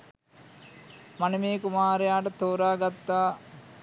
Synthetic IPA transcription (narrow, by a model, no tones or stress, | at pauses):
manemeːkumaːɾejaːʈət̪oːɾaːɡat̪ːaː